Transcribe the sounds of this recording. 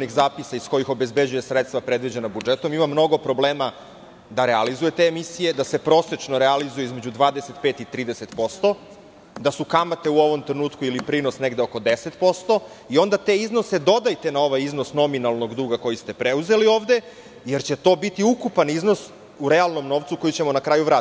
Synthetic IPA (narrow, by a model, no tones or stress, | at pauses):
nixzaːpisaisko̞jixo̞be̞zbe̞d͡ʑujesɾet̪st̪ʋapɾe̞d̪vʋid͡ʑe̞nabud͡ʒet̪o̞mimamːno̞ɡo̞pɾo̞ble̞ːma | d̪aɾealizuje̞t̪e̞ːmisije̞d̪asepɾo̞ːset͡ʂnoɾealizujeizme̞d͡ʑud̪ʋaːd̪eset̪peːt̪it̪ɾiːd̪ese̞t̪po̞st̪o̞ | d̪asukamat̪e̞uo̞ʋo̞mt̪ɾenuːt̪kuilipɾinosne̞ɡd̪eoko̞d̪ese̞t̪po̞st̪o̞io̞nd̪at̪e̞izno̞se̞d̪o̞d̪ajt̪e̞nao̞ʋajizno̞sno̞minalˠno̞ɡd̪uːɡako̞jist̪e̞pɾeuze̞lio̞ːʋd̪e̞ | jeɾt͡ɕe̞t̪o̞ːbit̪iukupaniznos | uɾe̞alˠno̞mno̞ːʋt̪suko̞jit͡ɕe̞mo̞nakɾaːjuvɾaː